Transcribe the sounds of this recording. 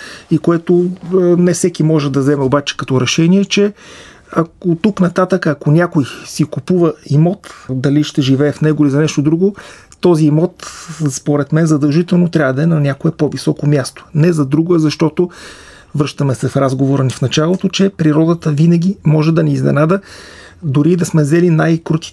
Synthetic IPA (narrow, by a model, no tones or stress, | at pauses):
ikoɛt̪onɛfsɛkimɔʒɛd̪ɐvzɛmɛobat͡ʃɛ̥kɐt̪ɔɾɛʃɛniɛt͡ʃɛ | ɐkot̪uknɐt̪at̪əkəːkonʲakojsikupuvəimɔt̪d̪ɐliʃt̪ɛʒivɛːfnɛɡʊilizɐnɛʃt̪od̪ɾuɡo | t̪ɔziːmɔt̪spoɾɛt̪mɛnzɐd̪ɐlˠʒit̪ɛlˠnot̪ɾʲavɐd̪ɐɛnɐnʲakoɛpovisɔkomʲjast̪o̥nɛzɐd̪ɾuɡoɛzɐʃt̪ɔt̪o | vɾɤʃt̪əmɛsɛfɾazɡovoɾənifnɐt͡ʃalˠot̪ot͡ʃɛpɾiɾɔd̪ət̪əvinɐɡ̟ʲimɔʒɛd̪ɐnɛːznɛ̰nad̪ə | d̪ʊɾid̪ɐsmɛzɛlinajkɾut̪i̥